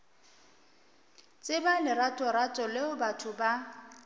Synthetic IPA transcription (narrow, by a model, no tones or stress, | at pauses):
t͡sʼɪbalɪɾatʼɔɾatʼɔlɪʊbatʰʊba